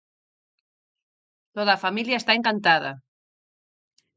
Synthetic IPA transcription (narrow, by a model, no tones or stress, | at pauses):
t̪oðafamiljaest̪aeŋkant̪aða̰